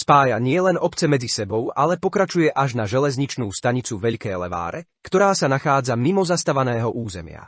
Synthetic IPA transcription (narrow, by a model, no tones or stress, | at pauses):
spaːjaɲɪɛlɛnɔpt͡sɛmɛd͡zisɛbɔʊalɛpɔkɾat͡ʃujɛʔaʒnaʒɛlɛzɲit͡ʃnuːst̪aɲit͡suʋɛʎkɛːlɛ̰ʋa̰ːɾɛ | kt̪ɔɾaːsanaxaːd͡zamimɔzast̪aʋanɛːɦɔʔuːzɛmɪa̰